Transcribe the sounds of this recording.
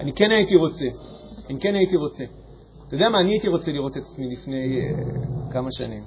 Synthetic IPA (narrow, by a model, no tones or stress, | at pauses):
anike̞nait̪iʁo̞t͡se̞anike̞nait̪iʁo̞t͡se̞ | t̪odeamaːniait̪iʁo̞t͡seliʁo̞t̪e̞t̪ḁt͡smilifne̞j | kamaʃa̰nim